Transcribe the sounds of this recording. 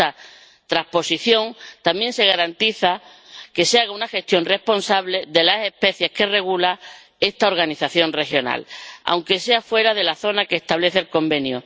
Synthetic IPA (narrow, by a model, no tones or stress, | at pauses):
a | t̪ɾahpo̞siθjo̞ŋt̪amjẽ̞nse̞ɣ̞aɾant̪iθa | ke̞seaɣaunaxe̞st̪jo̞nre̞spo̞nsaβle̞ðe̞lase̞hpe̞θje̞hke̞re̞ɣ̞ula | e̞st̪ao̞ɾɣaniθaθjo̞nre̞xjo̞na̰la̰wŋke̞se̞afwe̞ɾaðe̞laθo̞nake̞ːst̪aβle̞θelko̞mbe̞nju